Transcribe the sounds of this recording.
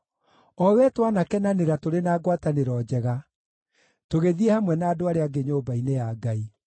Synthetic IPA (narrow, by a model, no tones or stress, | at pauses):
ɔwɛtwanakɛnaneɾatoɾenaːɡwataneɾɔːd͡ʑɛɣa | toɣeðiehamwɛnaːdoaɾeaɡeɲoːbainejaɡai